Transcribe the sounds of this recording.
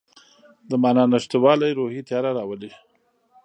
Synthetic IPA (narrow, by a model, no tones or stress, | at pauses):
d̪əmɑnɑnaʃt̪wɑlajɾohit̪jɑɾaɾɑwəli